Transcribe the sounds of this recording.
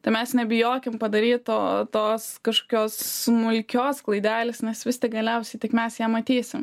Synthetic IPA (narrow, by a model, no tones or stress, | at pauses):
t̪ɐɪmʲɛsnʲɛbʲɪjoːkʲɪmpɐd̪ɐɾʲiːt̪toːt̪oːskɐʃko̥ːkʲoːssmʊlʲkʲoːsklˠɐɪd̪ʲæːlʲesnʲɛsʋʲɪst̪ʲɪk̚ɡɐlʲɛʊsʲɛɪt̪ʲɪkmʲɛsjɛmɐt̪ʲiːsʲɪm